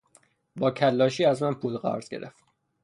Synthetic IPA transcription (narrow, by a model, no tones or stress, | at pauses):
bɒːcʰælːɒːʃiːæzmænpʰuːlɢæ̰ɾz̥ɡe̞̰ɾeft̪